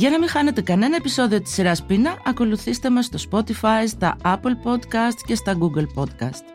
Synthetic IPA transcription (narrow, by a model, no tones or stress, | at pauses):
ʝɐnɐmixɐne̞t̪e̞kɐne̞nɐe̞piso̞ðio̞t̪i̥sːiɾɐspinɐʔɐko̞luθist̪e̞mɐsːt̪o̞spo̞t̪ifɐjst̪ɐ̰ɐplpo̞d̪kɐst̪ce̞st̪ɐɡuɡelpo̞d̪kɐst̪